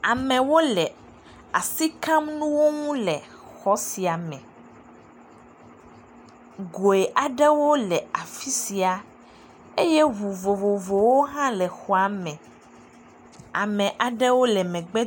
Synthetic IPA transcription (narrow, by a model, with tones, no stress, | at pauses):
a˨mɛ̃˨wo˦lɛ˨ | a̰˨si˦kã˦mnũ˦wo˦ŋũ˦lɛ˨ | xɔ˨˦si˨a˨mɛ̃˨ | ɡo˨e˨ʔa˨ɖɛ˦wo˦lɛ˨a˨fi˦si˨a˨ | e˦je˦βu˨vo˨vo˨vo˨wo˦ɦã˦lɛ˨xɔ˨a˦mɛ̃˨ | a̰˨mɛ̃˨ʔa˨ɖɛ˦wo˦lɛ˨mɛ̃˨ɡ͡bɛ˦